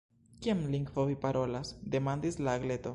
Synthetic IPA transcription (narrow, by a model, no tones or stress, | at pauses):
kiamliŋɡvovipaɾo̞lasd̪e̞mand̪islaːɡle̞t̪o̞